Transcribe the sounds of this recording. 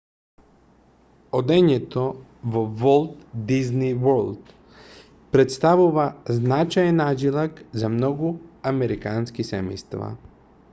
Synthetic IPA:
od̪ɛɲɛt̪ɔ | vovɔlˠt̪d̪iznivɔɾlˠd̪ | pɾɛt̪st̪avuvaznat͡ʃajɛnad͡ʒilˠakzamnɔɡuamɛɾikanskisɛmɛ̰jst̪va̰

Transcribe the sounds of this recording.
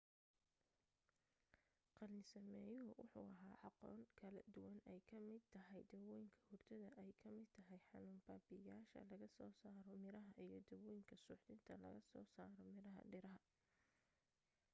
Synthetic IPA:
qɑlnɪsɐmɛːjʊɦʊwʊ̰ħṵːɐɦaːʕɑqɔ̰ːŋkʰɐlɐd̪ʊwɐnɛjkʰɐmɪd̪̚t̪ʰɐɦɛjd̪ɐwɛjŋkʰɐ̥hʊrt̪ʰɐðɐʔɛjkʰɐmɪd̪t̪ʰɐɦɛjħɑnuːmbaːbɪjaːʃɐ̰lɐɣɐsɔːsaːɾɔmɪɾɐɦɐʔijɞd̪ɐwɛjŋkʰɐsʊːħd̪ɪnt̪ʰɐlɐ̰ɣɐsɔːsaːɾɔmɪɾɐɦɐ̰ɖɪɾɐɦɐ

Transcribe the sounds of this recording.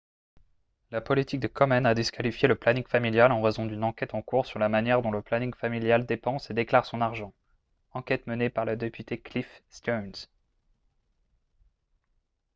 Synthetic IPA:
lapɔlit̪ik̚d̪əkʰɔmɛnad̪iskalifjeləplaniŋfamiljalɑ̃ʁɛzɔ̃d̪ynɑ̃kʲɛt̪ɑ̃kuʁsyʁlamanjɛʁd̪ɔ̃ləplaniŋfamiljald̪epɑ̃sed̪eklaʁsɔ̃naʁʒɑ̃ | ɑ̃kʲɛt̪mənepaʁləd̪epyt̪eklifst̪ɔnz

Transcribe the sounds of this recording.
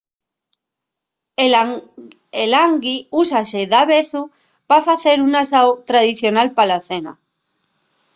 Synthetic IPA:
elaŋɡiusaseðaβeθu | pafaθeɾunasawt̪ɾaðiθjonalpalaθena̰

